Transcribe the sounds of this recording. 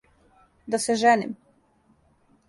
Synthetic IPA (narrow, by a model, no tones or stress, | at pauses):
d̪asɛʒɛnḭm